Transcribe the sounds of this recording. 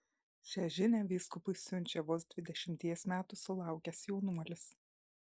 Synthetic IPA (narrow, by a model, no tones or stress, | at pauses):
ʃʲæʒʲɪnʲæːʋʲiːskʊpʊɪsʲʊnʲt͡ʃʲɛʋoːsd̪ʲʋʲɪd̪ʲɛʃʲɪmʲt̪ʲiɛsmʲæːt̪ʊsʊlˠɑˑʊkʲɛsjɛʊnuɔlʲɪs